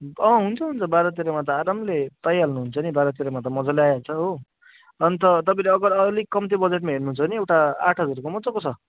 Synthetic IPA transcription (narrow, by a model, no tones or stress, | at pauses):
ʌɦunt͡sʰʌɦunt͡sʰʌbaɾʌt̪eɾʌmat̪̬ʌaɾamlet̪ajalnuɦunt͡sʰʌnibaɾʌt̪eɾʌmat̪̬ʌmʌd͡zʌleajat͡sʰʌɦo | ʌnit̪ʌt̪ʌpãleʌɡʌɾʌlikːʌmt̪ibʌd͡zeʈ̚maɦernuɦunt͡sʰʌniewʈaa̰ʈʰʌd͡zʌɾukomʌd͡zʌkot͡sʰʌ